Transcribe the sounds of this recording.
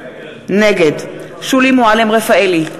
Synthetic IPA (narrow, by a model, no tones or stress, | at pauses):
nɛɡɛd | ʃulimualɛmʁɛfaɛli